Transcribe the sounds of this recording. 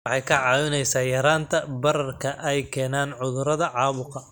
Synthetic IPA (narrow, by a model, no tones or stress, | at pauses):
wħɑjkʰɐʕɑːwɪnɛjsaːjɐɾaːnt̪ʰɐbɐrɐrkʰɐʔɛjkʰɛːnaːnʕʊðʊɾɐðɐʕɑːβʊqɐ